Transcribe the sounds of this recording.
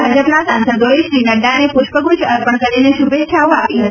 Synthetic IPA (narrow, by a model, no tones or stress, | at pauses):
bʱad͡ʒəpnasansəd̪oeʃɾinəɖanepʊʃpəɡut͡ʃəɾpəɳkəɾineʃubet̪ːʃʰaoapiɦət̪i